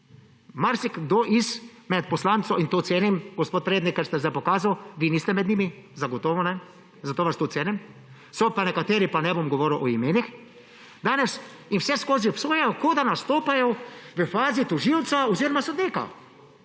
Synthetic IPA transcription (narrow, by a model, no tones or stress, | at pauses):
maɾsikɡd̪oːʔismɛt̪pɔslant̪sɔint̪oːt̪seːnɛmɡɔspoːt̪̚pɾeːd̪nikːɛɾst̪ɛzdajpɔkaːzawʋiːniːst̪ɛmɛd̪nimi | zaɡɔt̪ɔːʋɔnɛ | zat̪oːʋast̪oːt̪seːnɛm | sɔpanɛkat̪eːɾipanɛbomɡɔʋɔːɾiwʔɔimeːnix | d̪aːnɛs | inwsɛskoːziɔpsoːjɛjɔkod̪anast̪oːpajɔʋəfaːzit̪ɔʒiwt̪saoziːɾɔmasod̪niːka̰